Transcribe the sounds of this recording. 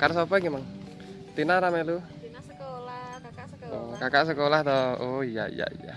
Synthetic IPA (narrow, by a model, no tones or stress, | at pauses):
kaɾsapɛɡimaŋ | t̪inaɾamɛlu | okakaʔsəkolaht̪ɔoija̰ḭja̰ḭja̰